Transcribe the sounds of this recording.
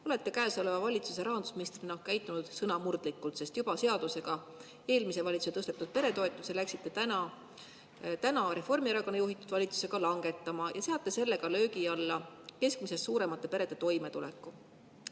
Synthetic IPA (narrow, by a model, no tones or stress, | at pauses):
o̞le̞t̪ːe̞kæːso̞le̞vɑvɑlʲit̪suse̞ɾɑɦɑnd̪u̥sminist̪rinohkæjt̪ːˑunud̪̥sɤnɑmurd̪likːult̪se̞st̪jub̥ɑse̞ɑd̪̥use̞ɡ̥ɑ | e̞ːlmise̞vɑlʲit̪suseɤ̞st̪et̪ːˑud̥̪̚pe̞ɾe̞t̪o̞et̪ːˑuse̞læksit̪ːe̞t̪ænɑ | t̪ænɑɾe̞fo̞rmieɾɑko̞nːejuɦit̪ːˑud̪̥vɑlʲit̪su̥se̞ɡ̥ɑlɑŋɡ̥e̞t̪ːˑɑmɑjʔɑseɑt̪ːˑese̞lːe̞ɡ̥ɑlø̞ːkiɑlːɑke̞skmise̞sːuːɾe̞mɑt̪ːˑe̞pe̞ɾe̞d̪̥et̪o̞jme̞t̪ulɛkːˑu